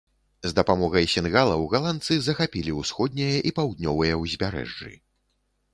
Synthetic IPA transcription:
zd̪ɐpamɔɣɐjsʲɛnɣalˠɐwɣalˠant̪sɨzɐxapʲilʲiwsxɔd̪̚ʲnʲɐjɐʔipawd̪̚nʲɔvɐjɐwzʲbʲaɾɛ̰ʐd͡ʐɨ̰

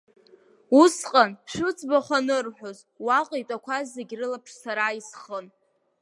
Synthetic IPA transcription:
usqʼanʃʷʊt͡sʰʼbaχʷanɨrħʷᶣoz | waqʼejtʼakʷʰazːeɡʲrɨlapʰʂsaɾaisχən

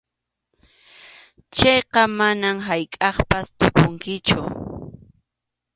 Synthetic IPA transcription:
t͡ʃejqɑmanamɦajkʼɑχpast̪ʊkʊŋkɪt͡ʃʊ

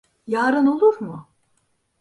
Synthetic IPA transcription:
jaːɾɯno̞lˠuɾmʊ

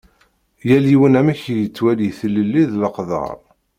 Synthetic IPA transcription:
jæljiwənæmæçjət͡sːwæljiθəlːəlːiðləqðˤɑ̰ɾˤ

